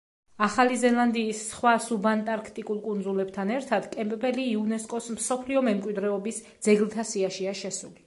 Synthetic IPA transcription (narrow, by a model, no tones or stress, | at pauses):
aχalizɛlˠand̪iːsːχwasubant̪ʼaɾkʰt̪ʼikʼulˠkʼund̪zulɛb̚t̪ʰanɛɾt̪ʰad̪kʼɛmpʼpʼɛliːunɛskʼɔsmsɔpʰliɔmɛmkʼwid̪ɾɛɔbisd̪z̥ɛɡlˠt̪ʰasiaʃiaʃɛsuli